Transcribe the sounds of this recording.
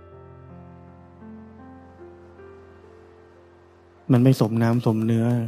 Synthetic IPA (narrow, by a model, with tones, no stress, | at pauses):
ma˧˥˩nma˧˥˩jso˩˦mnaː˦˥mso˩˦mnɯ˦˥ɐ